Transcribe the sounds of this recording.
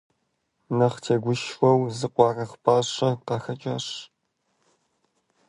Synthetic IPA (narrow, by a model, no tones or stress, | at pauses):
nɐχtʰeːɡʷʊʃwɐwzɨqʷɑːrɐχʷpʰaːɕɐqɑxɐt͡ʃʼaʂ